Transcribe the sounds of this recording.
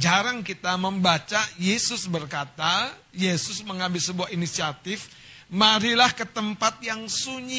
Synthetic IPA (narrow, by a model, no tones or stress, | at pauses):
d͡ʒaɾaŋkit̪aməmbat͡ʃajesʊsbərkat̪a | jesʊsməŋabɪsəbuahinisiat̪ɪf | maɾilahkət̪əmpat̪̚jaŋsuɲi